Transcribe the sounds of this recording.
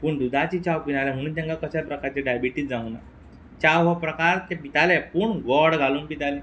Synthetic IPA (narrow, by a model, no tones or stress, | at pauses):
puːɳd̪ud̪ʱat͡ɕit͡ɕawpinalɛm̤əɽ̃ũːt̪̬ãŋkakəɕalpɾəkaɾt͡ɕeɖajbiʈiːt̪̚d͡zãuna̰ | t͡ɕawɦəpɾəkaɾt̪ɛpit̪alɛpuːɳʋɔɾɽɡʱaluːnpit̪alɛ̃